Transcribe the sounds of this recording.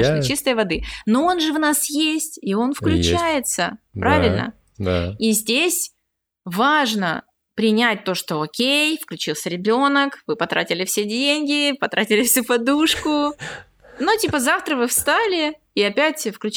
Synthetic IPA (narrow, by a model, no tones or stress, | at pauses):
t͡ɕist̪əjəvɐd̪ɨno̞o̞nʐɨvnasjesʲtʲio̞nfklʲʉt͡ɕæjɪt̪səpɾavʲɪlʲnə̰ | daizʲdʲesʲ | vaʐnə̰ | pɾʲɪnʲæt̚ʲt̪o̞ʂt̪o̞okʲejfklʲʉt͡ɕilˠsʲəɾʲɪbʲo̞nəkvɨpɐt̪ɾatʲɪlʲɪfsʲedʲenʲɡʲɪpɐt̪ɾʔatʲɪlʲɪfsʲupɐd̪uʂkʊ | notʲipəzaft̪ɾəvɨfst̪alʲɪ | iɐpʲætʲfklʲʉ